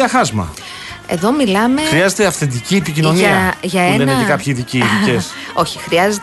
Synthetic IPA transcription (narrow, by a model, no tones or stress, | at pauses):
ɐxɐzmɐ̰ | e̞̰ðo̞milɐme̞xɾiɐzet̪eɐfθe̞nd̪iciːpicino̞niɐʝɐenineekɐpçiðiciðies | o̞çi̥xɾiɐze̞t̪